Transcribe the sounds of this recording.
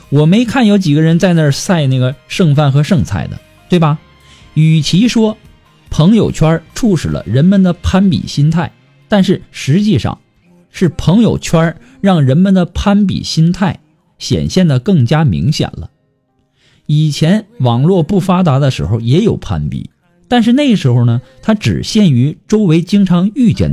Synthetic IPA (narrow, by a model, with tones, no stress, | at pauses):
wɔ˨˩me˧˥ɪkʰa˥˩njo˧˥ʊt͡ɕi˨˩ɡə˦ɻə˧˥nt͡sa˥˧ɪnə˥˩sa˥˧ɪna˥˩ɡə˩ʂɤ˥˧ŋfa˥˩nxɤ˧˥ʂɤ˥˧ŋt͡sʰa̰˥˩ɪd̪ə̰˩ | t̪we˥˩ɪbɐ˩ | y˨˩t͡ɕʰi˧˥ʂwɔ˥ | pʰɤ˧˥ŋjo˨˩ʊt͡ɕʰɥwɐ˥ʈ͡ʂʰu˥˩ʂɻ̩˨˩lə̰˦ɻə˧˥nmə˨nd̪ə˨pʰa˥npḭ˨˩ɕi˥nt̪ʰa˥˩ɪ | t̪a˥˧nʂɻ̩˥˩ʂɻ̩˧˥t͡ɕi˥˧ʂɑ̰˥˩ŋ | ʂɻ̩˥˩pʰɤ˧˥ŋjo˨˩ʊt͡ɕʰɥwɐ˥ | ɻɑ˥˩ŋɻə˧˥nmə˨nd̪ə˩pʰa˥np̬ḭ˨˩ɕi˥nt̪ʰa˥˩ɪ | ɕjɛ̰˨˩nɕjɛ˥˩nd̪ə˩kɤ˥˩ŋt͡ɕja˥mḭ˧˥ŋɕjɛ̰˨˩nlə̰˦ | i˨˩t͡ɕʰjɛ˧˥nwɑ˨˩ŋlwɔ˥˧pu˥˩fa˥t̪a˧˥d̪ə˧ʂɻ̩˧˥xo˧ʊjɛ˧˥jo˨˩ʊpʰa̰˥npḭ˨˩˦ | t̪a˥˧nʂ̬ɻ̩˥˧ne˥˩ɡʂɻ̩˧˥xo˧ʊnə˩t̪ʰa˥ʈ͡ʂɻ̩̰˨˩ɕjɛ˥˩ny˧˥ʈ͡ʂo˥ʊwe˧˥ɪt͡ɕi˥ŋʈ͡ʂʰɑ˧˥ŋy˥˧t͡ɕjɛ̰˥˩n